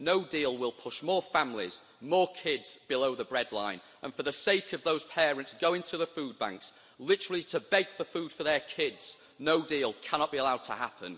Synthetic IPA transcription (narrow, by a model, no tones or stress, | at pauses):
noʊdiːlˠwɪlˠpʰʊʃmɔːɹfãmlɪ̰z̥ | mɔːkʰɪdz̥b̥ɪloʊðəbɹɛdˡlã̰ɪ̃n | ʔə̰̃nfəðəseɪkʰəvðoʊz̥pʰɛːɹɨ̃ntsɡ̥oʊɪ̃ntʰuðəfʉːd̚bã̰ŋks | lɪtəɹl̩ˠɪtʰəbɛɡ̥fəfʉːd̥fəðə˞kʰɪdz̥ | noʊdiːlˠkʰanɒʔ̚b̥iəlaʊd̚tʰəha̰pʰə̃n